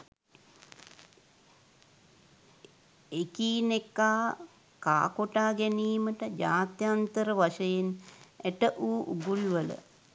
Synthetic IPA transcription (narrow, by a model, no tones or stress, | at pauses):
ekiːnekːaː | ka̰ːkoʈaːɡɛniːməʈəd͡ʒa̰ːt̪jaːnt̪əɾəʋaʃəjeneʈəʔuːʔuɡuliʋələ̰